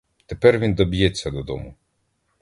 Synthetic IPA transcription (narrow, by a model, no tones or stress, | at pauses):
t̪epɛrʋʲind̪ɔbʲjɛt͡sʲːɐd̪ɔd̪ɔ̰mʊ